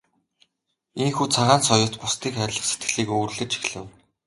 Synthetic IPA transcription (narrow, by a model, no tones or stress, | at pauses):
iŋxuːt͡sʰaʁaːnsɔjʊːt̪pʊst̪iːkχæɾʲɮə̆set̪̚ɡ̆ɮiːkuːrɮɘ̆t͡ɕʰi̥xɮɘ̆w